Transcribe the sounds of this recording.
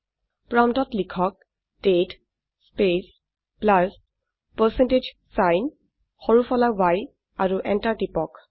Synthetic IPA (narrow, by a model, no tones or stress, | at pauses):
pɹamtɔtlikʰɔk̚ | d̥et | spes | plas | pəsɛnted͡ʒ | sajn | xɔɹufʰɔlawaj | aɹuʔɛntaɹtipɔk